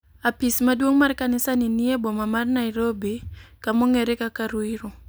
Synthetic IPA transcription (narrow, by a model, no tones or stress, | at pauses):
apismadwoŋmarkanɪsaniniebomamarnaiɾobikamoŋeɾekakaɾwiɾo